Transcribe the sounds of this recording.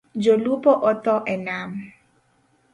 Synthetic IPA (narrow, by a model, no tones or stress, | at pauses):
d͡ʒolupɔʔɔt̪ɔʔɛnam